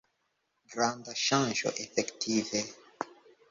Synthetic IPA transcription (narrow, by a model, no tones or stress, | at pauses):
ɡɾãnd̪aʃãʒo̰ʔefɛkt̪ʰive